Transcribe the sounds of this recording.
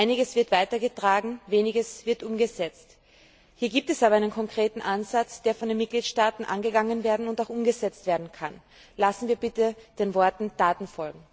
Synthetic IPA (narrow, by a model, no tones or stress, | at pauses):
ʔaɪnɪɡəsv̥ɪɐtv̥aɪtɐɡətʁ̥aːɡŋ̩veːnɪɡəsv̥ɪɐtʔʊmɡəzɛt͡st | hiːɐɡiːp̚tɛsaːbɐaɪnənkʰɔŋkʁ̥eːtn̩ʔanzat͡sd̥eːɐfɔndeːnmɪt̚ɡ̥liːtʃtaːtn̩ʔa̰nɡəɡaŋənveːɐdn̩ʊntaʊxʔʊmɡəzɛt͡stv̥eːɐdn̩kʰan | lasn̩viːɐbɪtəd̥eːnvɔɐtn̩d̥aːtn̩fɔlɡŋ̩